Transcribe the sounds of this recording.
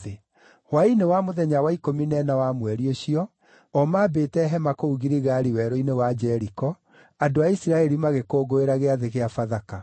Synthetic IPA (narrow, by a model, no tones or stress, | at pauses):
e | wainewamoðɛɲawaikominɛnawamwɛɾioɕiɔ | ɔmaːbeːtɛɦɛmakouɣiɾiɣaɾiwɛɾoinewad͡ʒɛɾikɔ | adoaisiɾaɛɾimaɣekoːɡoeɾaɣeaðeɣeafaðaka